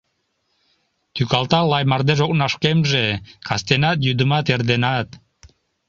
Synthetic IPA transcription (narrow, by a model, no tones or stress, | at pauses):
t̪ykɑlˠt̪ɑlˠɑjmɑɾd̪eʒok̚nɑʃkemʒekɑst̪enɑt̪̬jud̪umɑt̪eɾd̪enɑt̪